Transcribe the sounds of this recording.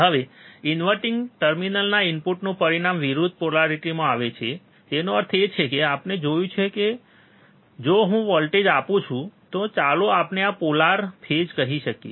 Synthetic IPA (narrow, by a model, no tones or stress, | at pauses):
ɦəʋeɪnʋəɾʈɪŋɡʈəɾminəlnaɪnpuʈnũpəɾiɽamʋiɾud̪ʱpolaɾiʈimãaʋet͡ʃʰe | d͡ʒenoəɾt̪ʰet͡ʃʰekeapned͡ʒojũt͡ʃʰeke | d͡ʒoɦũʋɔlʈed͡ʒapũt͡ʃʰũt̪ot͡ʃaloapneapolaɾpʰed͡ʒkəɦiʃəkḛ